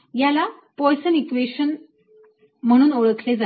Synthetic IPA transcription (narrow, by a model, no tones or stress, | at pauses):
jala | pɔjsənikʋeɕən | m̤əɽ̃uːnoɭəkʰled͡za